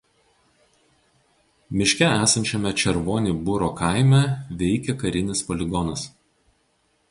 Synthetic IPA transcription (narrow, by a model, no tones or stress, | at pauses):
mʲɪʃʲkʲɛæːsɐnʲt͡ʃʲɛmʲɛt͡ʃʲɛɾʋoːnʲiːbʊɾoːkɐˑɪmʲɛʋʲɛɪkʲɛkɐɾʲɪnʲɪspɔlʲɪɡɔnɐs